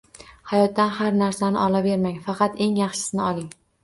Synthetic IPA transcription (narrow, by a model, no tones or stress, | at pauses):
hajɒt̪ːanhaɾnaɾsanɪ̰ʔɒlabe̞ɾmaŋfɑqʰɑt̪e̞ŋjɑχʃɪ̥sɪnɪɒlˠɪŋ